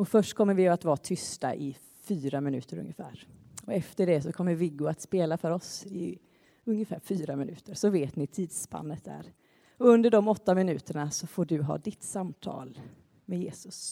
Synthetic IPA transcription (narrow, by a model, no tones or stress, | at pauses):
ɔfœʂʈkʰɔmːəɾvɪat̪vɑːt̪ʰʏst̪a̰ʔɪ | fyːɾamɪnʉ̟ːt̪əɾɵ̰ŋjəfæ̰ːɾɔɛft̪əɖɛsɔkʰɔmːəɾvɪɡʊat̪speːlafœɾɔsɪ | ɵŋjəfæːɾfyːɾamɪnʉ̟ːt̪əɾsɔveːt̪nɪt̪ʰiːd̪spa̰nːət̪̚d̪æ̰ːɾ | ɔɵnd̪əɖɔmɔt̪ːamɪnʉ̟ːt̪əɳasɔfoːɖɵɦɑ̰ːd̪ɪt̪samt̪ʰɑ̰ːl | mɛjeːsɵs